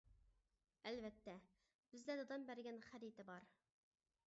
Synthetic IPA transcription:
ɛlvɛt̪ːɛ | b̥ɪzlæd̪ɨd̪ɑmbæɾɡʲɛnχæɾit̪ɪbɑɾ

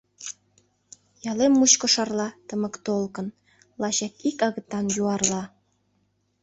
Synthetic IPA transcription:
jɑlemːuɕkŏʃɑrlɑt̪əmə̆kt̪olkən | lɑɕɑkikɑɣə̆t̪ːɑnjuɑrlɑ

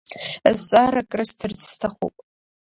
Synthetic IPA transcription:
zːaɾakʼrɨstʰɨrt͡sʰʼstʰaχṵpʼ

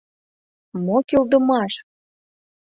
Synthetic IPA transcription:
mokyld̪ə̆mɑʃ

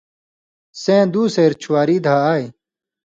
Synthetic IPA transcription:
sẽːd̪uːseːɾt͡ɕʰuwaːɾiːd̪ʱaːaːj

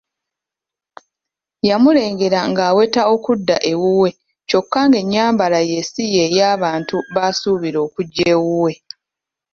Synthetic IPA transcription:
jamule̞ːŋɡe̞ɾaŋɡaːwe̞tao̞kudːaʔe̞wuwe̞ | co̞kːaŋɡe̞ɲːaːmbalaje̞sije̞ːjaːβaːntuβasuːβiɾo̞ːkuɟːeːwuwe̞

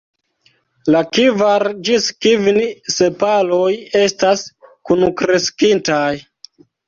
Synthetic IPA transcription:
lakivaɾd͡ʒiskivnise̞palo̞je̞staskunukɾe̞skintaj

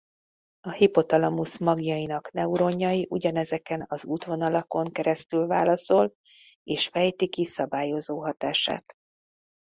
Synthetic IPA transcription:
ɒhipo̞t̪ɒlɒmusmɒɡjɒjinɒknɛuɾo̞ɲːɒjiʔuɟɒnɛzɛkɛnɒzuːt̪ʋo̞nɒlɒko̞ŋkɛɾɛst̪ylvaːlɒso̞l | eːʃfɛjt̪ikisɒbaːjo̞zoːɦɒt̪aːʃa̰ːt̪

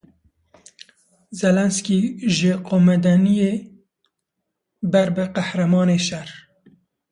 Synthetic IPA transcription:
zɛlɛnskiːʒəqoːmɛd̪ɛnijeː | bɛɾbɨqæhɾɛmɑːneːʃɛr

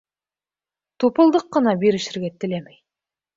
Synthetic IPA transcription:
t̪ʰupəlˠd̪əqːənɑbeɾɪʃɪɾɡʲet̪ʰːɪlemej

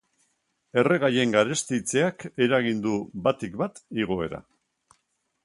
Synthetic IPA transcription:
e̞re̞ɣaje̞ŋɡaɾest̪it͡se̞ake̞ɾaɣ̞ind̪ubat̪ikbat̪iɣ̞o̞e̞̰ɾa̰

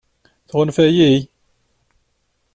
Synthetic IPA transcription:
θʁʊnfæjij

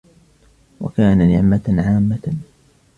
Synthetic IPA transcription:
wa̰kaːnanɪʕmaʕaːmːa

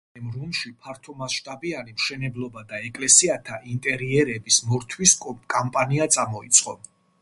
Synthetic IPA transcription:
ɛmɾunʃipʰaɾt̪ʰɔmasʃt̪ʼabianimʃɛnɛblˠɔbad̪aɛkʼlɛsiat̪ʰaʔint̪ʼɛɾiɛɾɛbismɔɾt̪ʰwiskʼampʼaniat̪sʼamɔit̪sʰʼqʼɔ

